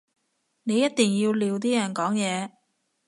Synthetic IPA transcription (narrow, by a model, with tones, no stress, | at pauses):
ne˨˧jɐ˥t̪̚t̪iː˨˩ŋjiː˧wliː˨˧wt̪̬iː˥jɐ˨˩nkɔː˨˥ŋjɛː˨˧